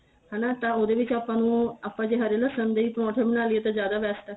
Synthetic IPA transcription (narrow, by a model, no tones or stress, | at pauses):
hɛːnaːt̪ãːoːd̪eːʋɪt͡ʃaːpːãːnũːaːpːãːd͡ʒeːɦəɾeːləsənd̪eiːt̪mɔ̃ːʈʰẽːbəñaːlɪeːt̪ãːd͡ʒjaːd̪aːbɛːsʈɛː